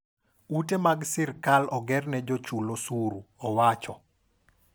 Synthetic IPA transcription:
utemaɡsɪrkalɔɡɛrnɛd͡ʒot͡ʃulosuɾuɔwat͡ʃɔ

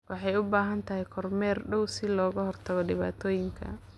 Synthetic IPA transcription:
wɑħɑjʊbaːɦɐnt̪ʰɐɦɛjkʰɔrmɛːrɖɔwsɪlɔːɣɐɦɔrt̪ʰɐɣɔɖɪβa̰ːt̪ʰɔːjɪŋkʰɐ̰

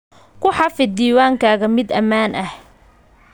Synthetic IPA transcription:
kʰʊħɑfɪd̪iːwaːŋkʰaːɣɐmɪd̪ɐmaːnʔɐh

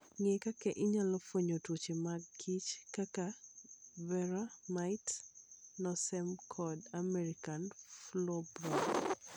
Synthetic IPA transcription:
ŋekakɛʔɪɲalɔfwoɲotwot͡ʃemaɡɡit͡ʃkaka | vɛɾamaɪtnɔsɛmkʰɔdamɛɾikanflɔbɾɔ

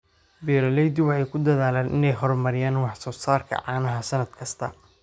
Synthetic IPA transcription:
bɛːɾɐlɛjd̪ɪwɑħɑjkʰʊd̪ɐðaːlaːnʔɪ̰nɛjɦɔrmɐɾɪjaːnwɑħsɔːsaːrkʰɐ̰ʕɑːnɐɦɐsɐnɐd̪kʰɐst̪ʰɐ̰

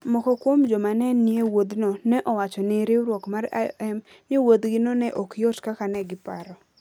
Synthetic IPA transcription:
mɔkɔkwomd͡ʒɔmanɛnːiewod̪nɔnɛʔɔwat͡ʃɔnɪɾɪɾwokmara̰ɛm | nɪwod̪ɡɪnɔnɛʔɔkjot͡ʃkakanɛɡɪpa̰ɾɔ

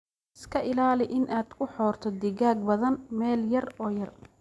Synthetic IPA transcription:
ɪskʰɐʔɪlaːlɪʔɪnʔaːd̪̥kʰʊħɔːrt̪ʰɔd̪ɪɣaːɡ̚bɐðɐnmɛːljɐrɔːjɐr

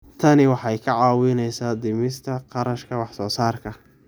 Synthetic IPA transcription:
t̪ʰɐnɪwɑħɑjkʰɐʕɑːwɪnɛjsaːd̪ɪmɪst̪ʰɐqɑɾɐʃkʰɐwɑħsɔːsaːrkʰɐ

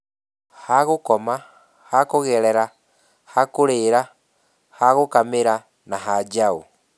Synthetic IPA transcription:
haɣokɔma | hakoɣɛɾɛɾa | hakoɾeɾa | haɣokameɾa | naɦad͡ʒao

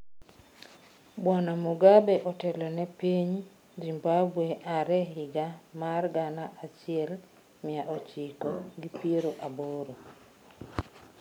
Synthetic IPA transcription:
bwanamuɡabɛʔɔtɛlɔnɛpiɲ | zimbabweʔaɾɛɦɪɡamarɡanaʔat͡ʃɪɛl | mɪaʔɔt͡ʃikoɡipieɾoʔaboɾo

